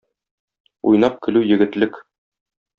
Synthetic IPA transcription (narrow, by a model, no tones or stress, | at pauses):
ṵjn̪ɑp̚kɘ̆lʉjɘ̆ɡɘ̆t̪lɘk